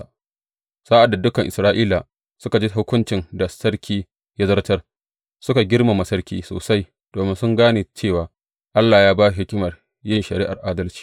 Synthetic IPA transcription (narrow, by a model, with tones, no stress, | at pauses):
saː˦ʔa˨dːa˨dʊ˦kɐ˨ŋʔɪ̰˨sɾaː˦ʔiː˦la˨ | sʊ˦ka˨d͡ʒi˦ɦʊ˦kʷʊ˦nt͡ʃɪ˨nda˨sɐ˦ɽkʲʰiː˦ | ja˦zɐ˦rtɐ˦r | sʊ˦ka˨ɡʲɪ˦ɽma˨mɐ˨sɐ˦rkʲḭː˦so̰ː˨sa˦j | d̥oː˨mɪ˦nsʊ˦ŋɡaː˦neː˨t͡ʃeː˦˨waː˨ | ʔa˦lːaː˨jaː˦baː˦ɦɪ˦kʲɪ˦mɐ˨r | jɪ˦nʃɐ˨ɾiː˦ʔa̰˨rʔaː˦dɐ˦lt͡ʃi̥ː˨